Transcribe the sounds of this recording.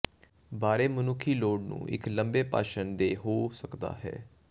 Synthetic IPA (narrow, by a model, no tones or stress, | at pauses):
baːɾeːmənʊkʰːiːloːɖnṵ̃ːʔɪ̰kləmbeːpa̰ːʃənd̪eːɦoːsəkd̪a̰ːɦɛ̰ː